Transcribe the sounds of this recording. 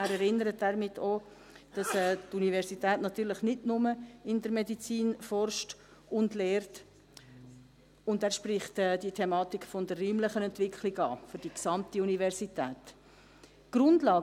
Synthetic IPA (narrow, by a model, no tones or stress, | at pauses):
æːɾɛɾɪnəɾətæːɾmɪtʰːoː | d̥ɑsɛːtunivɛɾsitɛːtnɑtyːɾləχnɪdnʊməɪndəɾmɛdit͡siːnfɔrʃt | ʊndlɛːɾt | ʊndæːɾʃprɪχtɛːd̥itʰɛmɑːtikfɔndərːiːmləχənɛntvɪkχlɪɡɑːfʏɾd̥iksɑmtiunivɛɾsitɛːt | ɡ̥ɾʊndlɑː